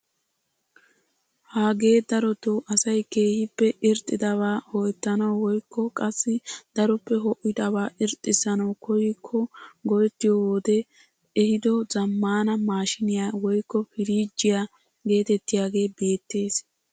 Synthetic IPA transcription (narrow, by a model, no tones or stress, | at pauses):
haːɡe̞ːd̪ɐɾɔt̪ʊʔɐsɐjke̞ːhɪpːɛʔɪɾt̪ʼːɪd̪ɐβaːhɔjɛt̪ːɐnɐwwɔjkːɔkʼɐsːɪd̪̥ɐɾɔpːɛɦɔʔɪd̪ɐβaːʔɪɾt̪ʼːɪsɐnɐwkʰɔjɪkʰːɔɡɔjɛt̪ːɪjɔwːd̪ɛ | ɛhɪd̪ɔzɐmːaːnɐmaːʃɪnɪjaːwɔjkːɔfɪɾiːd͡ʒːɪja | ɡe̞ːt̪ɛt̪ːɪjaːɡe̞ːbe̞ːt̪ːe̞ːs